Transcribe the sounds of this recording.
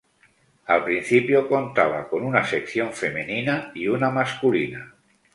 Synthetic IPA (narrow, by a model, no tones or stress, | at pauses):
alpɾin̟θipjokont̪aβ̞a̰konunasekθjoɱfemeninaiunamaskulina